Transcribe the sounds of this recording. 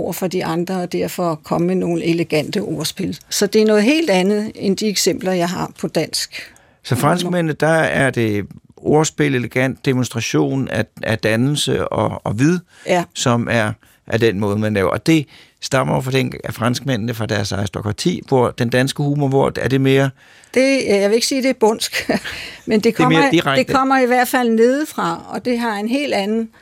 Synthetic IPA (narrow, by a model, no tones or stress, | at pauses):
ʊ̰ɐfɒd̥iʔɑ̈nd̥ʁɐɒd̥æɐ̰fɒ̽kʰɒ̽məmeno̝ːn̩e̝leɡ̥æn̰d̥əʔoɐsb̥e̝lsɒ̽d̥e̝æɐnɔ̽ːð̩ˠɦe̝̰ːld̥ænð̩ˠend̥ieɡ̥sem̰b̥lɐjɑ̈ɪɦɑ̈pʰɒ̽d̥æn̰sɡ̥ | sɒ̽fʁɑ̈nsɡ̥̚men̰n̩d̥ɑæɐd̥e̝o̝ɐsb̥e̝le̝leɡ̥æn̰d̥ːe̝monsd̥ʁɑ̈ɕo̝̰ːnææd̥ænl̩səɒɒʋiðˠ | sɒ̽mæɐ | ʔæd̥enmɔ̽ːð̞ˠəmænlɛːʊɐ̰ʔɒ̽d̥e̝ | sd̥ɑ̈m̥ɐofɒden̰ɡ̥æfʁɑ̈nsɡ̥̚men̰nəfʁɑ̈d̥æɐsɑ̈ʁisd̥o̝kʰʁɑ̈t͡sʰḭːʋoɐ̰d̥end̥ænsɡ̥əhuːmɒʋɔɐ̰d̥æɐd̥e̝me̝ːɐ | d̥e̝jæjaʋee̝ɡ̥siːd̥e̝b̥ɔn̰sɡ̥mend̥e̝kʰeɒmeːɐdiʁaɡ̥ekdkʰɒ̽m̰ɐiʋæɐ̰d̥fæl̰ne̝ð̞ˠfʁɑ̈ɒ̽d̥e̝ɦɑ̈e̝nɦe̝̰ːl̥ænn̩